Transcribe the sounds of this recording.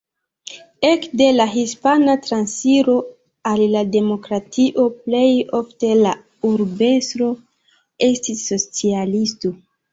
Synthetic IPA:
e̞kde̞laɦispanatɾansiɾo̞ | alːade̞mo̞kɾatʰiʔo̞ple̞jo̞fte̞la | uɾbe̞stɾo̞ | e̞stisːo̞t͡sialisto̞

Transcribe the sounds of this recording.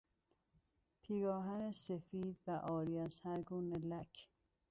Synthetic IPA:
pʰiːɡɒːɦænesefiːd̪væʔɒːɾiːæzhæɾɡuːnelækʰ

